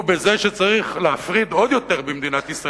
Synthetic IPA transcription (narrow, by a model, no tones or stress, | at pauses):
bezeʃet͡saʁiχleafʁid̪o̞d̪jo̞t̪e̞ʁbemd̪inat̪isʁa